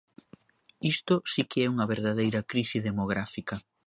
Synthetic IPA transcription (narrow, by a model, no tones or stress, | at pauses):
ist̪ʊsikeɛuŋɐβeɾðaðejɾɐkɾisiðemoɣ̞ɾafikɐ